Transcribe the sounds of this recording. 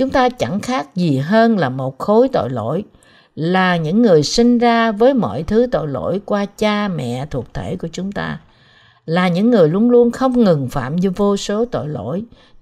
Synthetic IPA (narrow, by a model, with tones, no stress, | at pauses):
t͡ɕʊ˨˦ŋ͡mt̪aː˧t͡ɕa˧˩ŋxaː˦˥k̚zi˨˩ɦəː˧nlaː˨˩mo˨˩t̚xo˨˦jt̪o̰˧˨jlo̰˧˥˨j | laː˨˩ɲɨ̰˧˥ŋːɨ˨˩əjsï˧ŋ̟zaː˧vəː˨˦jmɔ̰˧˨jt̪ʰɨ˨˦t̪o̰˧˨jlo̰˧˥jkwaː˧t͡ɕaː˧mɛ̰˧˨t̪ʰu˨˩ək̚t̪ʰe˧˩ku˧˩ət͡ɕʊ˨˦ŋ͡mt̪a̰ː˧ | laː˨˩ɲɨ̰˧˥ŋːɨ˨˩əjlu˧əŋlu˧ənxə˧wŋ͡mŋɨ˨˩ŋfa̰ː˧˨mzɨ˧vo˧so˨˦t̪o̰˧˨jlo̰˧˥˨j